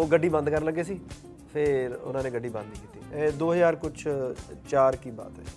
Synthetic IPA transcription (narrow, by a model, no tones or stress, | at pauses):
oːɡəɖːiːbə̃nd̪kəɾləɡːeːsiː | pʰɪɾʊ̰nãːnẽːɡəɖːiːbə̃nd̪iːkiːt̪iːɛːd̪oːɦjaːɾkʊt͡ʃʰt͡ʃaːɾkiːba̰ːt̪ɛ̰ː